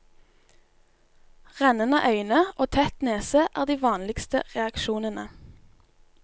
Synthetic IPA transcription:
ʁɛnənə̰ʔœʏnəʔoːt̪ʰɛt̪neːseʔæːʁd̪iːʋɑːnlɪkst̪ə̰ʁɛɑkʃuːnənə

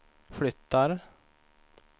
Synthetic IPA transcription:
flʏt̪ʰːaɾ

